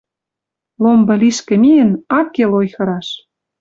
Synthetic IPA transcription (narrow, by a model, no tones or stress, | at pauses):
lombɤ̆liʃkĕmijə̆nɑkːelojxɤ̆ɾɑʃ